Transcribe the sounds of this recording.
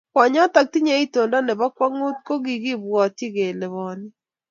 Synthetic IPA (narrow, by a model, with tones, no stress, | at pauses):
kwa˨ɲɔ˦ta˨k̚ti˦ɲe˦i˦to˨nda˦nɛ˨ba˦kwa˦ŋu˦t̚ko˦ɡi˨ɡi˦bwɔ˨ti˦ɡe˨lɛ˨βɔ˨nɪ˦